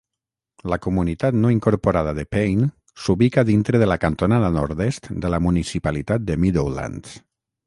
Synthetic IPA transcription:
lakumunit̪at̪noiŋkoɾpoɾað̞aðəpejn | suβikaðint̪ɾeðəlakant̪onaðanoɾd̪est̪d̪əlamunisipalit̪at̪̚d̪əmiðowla̰nt̪

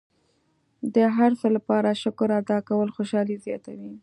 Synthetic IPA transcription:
d̪əɦaɾsəlapɑɾaʃʊkʊɾad̪ɑkawəlxoʃɑlizjɑt̪a̰wi

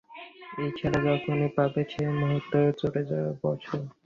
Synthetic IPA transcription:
ejt͡ɕʰɛɾad͡ʑɔkʰonepabet͡ɕʰemoɦot̪ːoɾt͡ɕoɽed͡ʑaaɾbɔt͡ɕʰoɾ

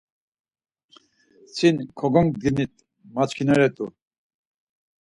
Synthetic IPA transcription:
t͡sʰinkʰɔɡɔŋk̚d̪init̪ | mat͡ʃkʰinɛɾɛt̪ʼu

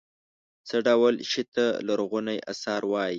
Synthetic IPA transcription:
t͡səɖawəlʃit̪alaɾɣunajʔa̰sɑɾwɑji

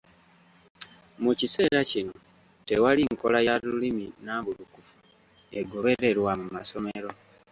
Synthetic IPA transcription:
mucise̞ːɾacino | te̞waliŋko̞̰lajaluliminaβulukufu̥ | e̞ɡo̞βe̞ɾe̞ɾwamumaso̞meɾo̞

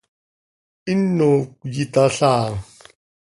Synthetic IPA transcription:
inːokjitaɬaːŋ

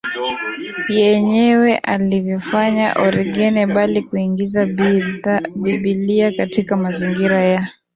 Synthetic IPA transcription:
jɛɲɛwɛʔalivjɔfaɲa̰ʔɔɾiɡɛnɛɓalikuiŋɡiza | ɓiɓiliakatikamaziŋɡiɾaja

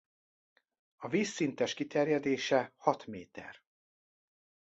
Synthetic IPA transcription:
ɒviːsːint̪ɛʃkit̪ɛrjɛd̪eːʃɛhɒt̪meːt̪ɛ̰r

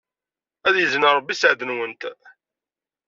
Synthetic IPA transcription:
æðjəzənəɾˤəbːisʕðənwənt̪

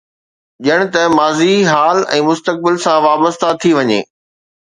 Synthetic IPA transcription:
ʄəɽ̃̆t̪ɐmaːziɦaːlɛ̰̃ːmʊst̪ək̚bɪlsãʋaːbəst̪at̪ʰiʋɐɲḛː

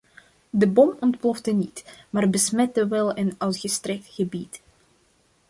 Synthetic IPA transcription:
dəbɔmɔntplɔfdənitmaːrbəsmɛtəʋɛlˠənœɥtɣəstrɛk̚tχəbit

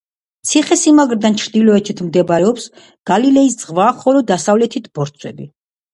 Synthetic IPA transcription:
t̪sʰiχɛsimaɡɾd̪ant͡ʃʰɾd̪ilɔɛt͡ʃʰit̪ʰmd̪ɛbaɾɛɔps | ɡ̥alilɛisd̪zʁvaχɔlɔd̪asavlɛt̪ʰit̪ʰb̥ɔɾt̪sʰwɛ̰bi

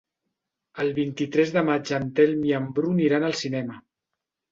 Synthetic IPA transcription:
əlˠβint̪it̪ɾɛzðəmad͡ʒənt̪ɛlmiəmbɾuniɾanəlˠsinɛmə

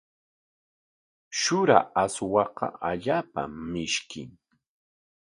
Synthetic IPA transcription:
ʃʊɾa̰aswɑqɑ̰aʎaːpa̰mɪʃkɪŋ

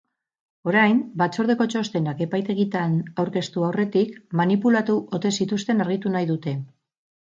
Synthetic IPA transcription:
o̞ɾajmbat͡so̞ɾð̞e̞ko̞t͡ʃo̞st̪e̞nake̞pajt̪e̞ɣ̞it̪anawɾke̞st̪uawre̞t̪ikmanipulat̪uʔo̞t̪e̞sit̪ust̪e̞naɾɣ̞it̪unajðut̪e̞

